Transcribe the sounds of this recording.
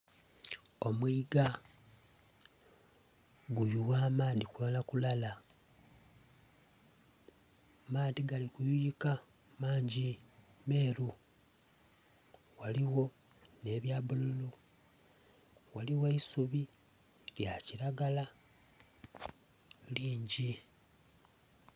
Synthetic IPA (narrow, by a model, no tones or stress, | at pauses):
o̞mwiːɡa | ɡujuwaːmaːðikualakulala | maːðiɡalikujujika | maːɲɟime̞ːɾu | waliɣo̞ | ne̞βjaːβululu | waliweisuβi | ljaciɾaɡala | liːɲɟi